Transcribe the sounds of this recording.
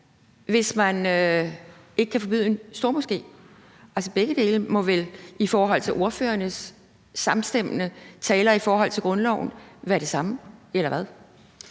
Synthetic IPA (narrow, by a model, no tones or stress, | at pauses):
ʋe̝smænø | e̝ɡ̥əkʰæfɒ̽b̥y̰ð̰ˠe̝nsd̥o̝ɐ̰mo̽sɡ̥e̝̰ː | ælsəb̥eɡ̥əd̥e̝ːləmɔ̽ʋelifɒːɦɒ̽l̰t͡sʰe̝lʔo̝ɐfø̰ːɐnəsː | ɑ̈msd̥em̰ənət͡sʰɛːlɐifɒːɦɒ̽l̰t͡sʰe̝lɡ̥ʁɔ̽nlɒʊ̰n̩ʋæːɐɾ̥e̝sɑ̈məelɐʋæð̞ˠ